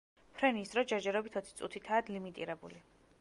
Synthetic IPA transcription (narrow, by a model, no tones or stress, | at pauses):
pʰɾɛniːsd̪ɾɔd͡ʒɛɾd͡ʒɛɾɔbit̪ʰɔt̪sʰi̥t̪sʼut̪ʰit̪ʰaːd̪limit̪ʼḭɾɛbṵli